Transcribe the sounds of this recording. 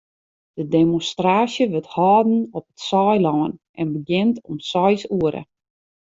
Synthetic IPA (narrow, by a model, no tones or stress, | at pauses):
d̥ədemonstraːsjəʋəthɔːdn̩ɔpətsɔjlɔːənʔɛnbəɡɪntɔmsɔjsuəɾə̰